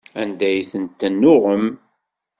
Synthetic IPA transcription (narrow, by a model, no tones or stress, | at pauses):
ænd̪æjθənt̪ːənːʊʁəm